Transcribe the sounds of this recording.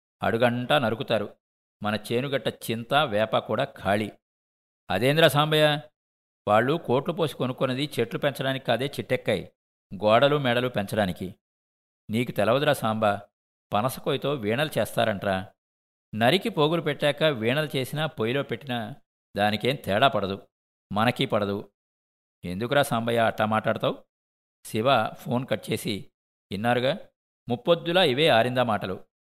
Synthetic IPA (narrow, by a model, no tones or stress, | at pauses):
ɐ̰ɽuɡɐɳʈɐnɐɾukut̪aːɾu | mɐnɐt͡ʃeːnuɡɐʈːɐt͡ʃint̪ɐʋɛːpɐkuːɽaːkʰaːɭi | ɐ̰d̪eːnd̪ɾɐsaːmbɐja | ʋaːɭːuko̞ːʈlupo̞ːsi̥konukːunɐd̪it͡ʃeʈlupɛɲt͡ʃɐɽaːnikikaːd̪eːt͡ʃiʈːɛkːɐj | ɡɔːɽɐlumɛːɽɐlupɛɲt͡ʃɐɽaːniki | niːkut̪ɛlɐʋɐd̪ɾasaːmbɐ | pɐnɐsɐ̥kojit̪o̞ːʋiːɳɐlut͡ʃɛːst̪a̰ːɾɐɳʈɐnaː | nɐɾikipo̞ːɡulupeʈːɛːkɐʋiːɳɐlut͡ʃe̞ːsinapojlo̞ːpeʈːinɐ | d̪aːnike̞ːmt̪ɛːɽaːpɐɽɐd̪u | mɐnɐkipɐɽɐd̪u | end̪ukuɾaːsaːmbɐjaːɐʈːaːmaːʈlaːɽut̪aːw | siʋapʰo̞ːnkɐʈ̚ːt͡ʃe̞ːsi | inːaːɾuɡaː | mupːod̪ːulaːiʋe̞ːaːɾind̪ɐmaːʈɐlu